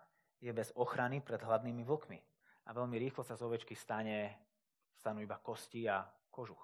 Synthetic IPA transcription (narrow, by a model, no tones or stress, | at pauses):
jɛbɛzɔxɾanipɾɛd̪ɦlad̪niːmiʋl̩kmḭ | a̰ʋɛʎmiɾiːxlɔsazɔʋɛt͡ʃkist̪aɲɛ | st̪anuːibakɔsciːa | kɔʒux